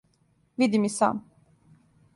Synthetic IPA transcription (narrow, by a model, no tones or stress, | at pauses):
vid̪imisa̰m